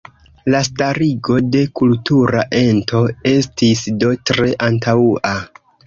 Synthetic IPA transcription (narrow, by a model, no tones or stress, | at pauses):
lastaɾiɡo̞de̞kultuɾaʔe̞ntʰo̞e̞stisdo̞tɾe̞ʔantʰaua